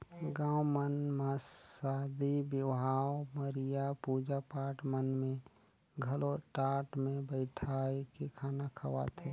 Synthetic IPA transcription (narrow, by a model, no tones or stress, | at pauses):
ɡãːwmənmasaːd̪ibjɪʋʱaːwməɾijapud͡ʒapaːʈmənmẽ | ɡʱəloʈaːʈmẽbəɪʈʰaːekekʰaːnakʰəʋa̰t̪ʰeː